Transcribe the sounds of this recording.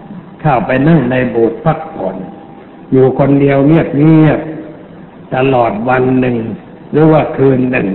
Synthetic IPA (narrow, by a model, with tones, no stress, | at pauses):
kʰaː˧˩wpa˧jna˥˩ŋna˧jboː˨˩t̪̚pʰa˥˩k̚pʰɔ˩˦n | juː˨˩kʰo˧ndi˧əwni˥˩ək̚ni˥˩ək̚ | t̪a˧lɔː˨˩t̪̚wa˧nːɯ˨˧ŋ | ɾɯː˨˦waː˧˩kʰɯː˧nːɯ̰˨˩ŋ